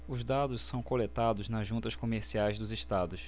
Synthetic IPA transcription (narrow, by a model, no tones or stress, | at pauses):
ʊzd̪ad̪ʊssɐ̃w̃kolet̪ad̪ʊznɐzʒũnt̪ɐskomeɾsiajzd̪ʊzɪʃt̪ad̪ʊs